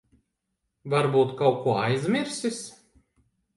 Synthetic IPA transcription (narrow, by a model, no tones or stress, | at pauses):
vaɾbuːt̪kawkuɔajzʲmʲiɾsʲis